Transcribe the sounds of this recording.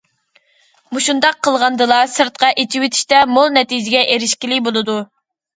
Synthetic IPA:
muʃund̪ɑqʰːəlˠʁɑnd̪ɨlˠɑsɨɾt̪̚qɑʔet͡ʃʰiwɪt̪ʰi̥ʃt̪ɛmolˠnɛt̪ʰid͡ʒɪɡʲɛʔeɾɪʃkʲilɪbolˠɨd̪u

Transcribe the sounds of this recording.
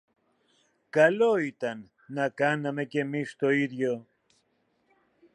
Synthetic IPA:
kɐlo̞it̪ɐnː | ɐkɐnɐme̞ce̞mist̪o̞iðʝo̞

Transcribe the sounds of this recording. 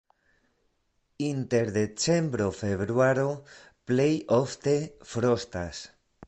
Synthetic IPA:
inte̞ɾd̪e̞t͡se̞mbɾo̞fe̞βɾuaɾo̞ | ple̞jo̞fte̞fɾo̞stas

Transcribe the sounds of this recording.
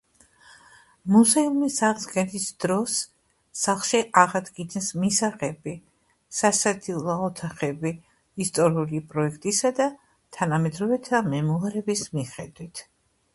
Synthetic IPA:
muzɛumisaʁzɡɛnisd̪̥ɾɔsː | aχʃiʔaʁad̪ɡinɛsmisaʁɛbi | sasad̪ilˠɔɔt̪ʰaχɛbi | ist̪ʼɔɾiulipʼɾɔɛkʰt̪ʼisad̪a | t̪ʰanamɛd̪ɾɔvɛt̪ʰamɛmɔaɾɛbismiχɛd̪wit̪ʰ

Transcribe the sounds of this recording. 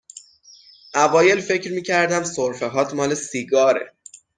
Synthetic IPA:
ʔævɒːje̞lfe̞cɾmiːcʰæɾd̪æmsoɾfe̞ɦɒːt̪ʰmɒːle̞siːɡɒːɾe̞̰

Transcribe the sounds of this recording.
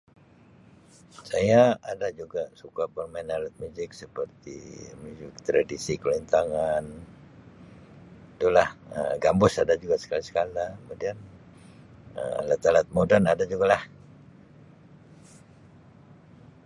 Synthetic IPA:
sajaadad͡ʒuɡasukapənmanalat̪̚muzɪk̚səpərt̪ḭmud͡ʒɪk̚t̪ɾadisikəlint̪aŋan | it̪ulahə̰ɡambʊsadad͡ʒuɡasə̥kalisə̥kalakəmudian | ə̰lat̪alat̪̚modanadad͡ʒuɡalah

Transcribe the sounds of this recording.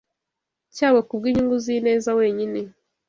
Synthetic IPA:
caːwekub̚ɡiɲuŋɡuzine̞ːzawe̞ːɲine

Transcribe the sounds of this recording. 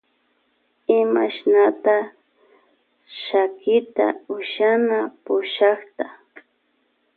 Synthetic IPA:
ɪmaʃnat̪a | ʃakɪt̪a̰ʊʃanapʊʃɑχt̪a

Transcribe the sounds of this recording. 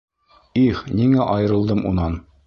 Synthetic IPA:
iχniŋæʔɒjɤ̆ɾɤ̆lˠd̪ɤmʔṵnɑn

